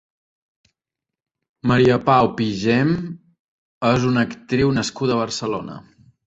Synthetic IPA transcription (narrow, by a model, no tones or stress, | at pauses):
məɾiəpawpiʒem | ezunəkt̪ɾiwnəskuðəβ̞ərsəlo̰nə̰